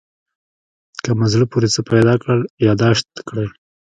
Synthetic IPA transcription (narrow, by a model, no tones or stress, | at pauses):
kəmazɽəpuɾet͡səpajd̪ɑkɽəljɑd̪ɑʃt̪kɽəj